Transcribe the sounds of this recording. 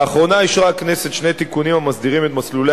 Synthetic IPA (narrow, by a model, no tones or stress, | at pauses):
χʁo̞naiʃʁakne̞set̪ʃne̞jt̪ikunimamasd̪iʁimet̪maslule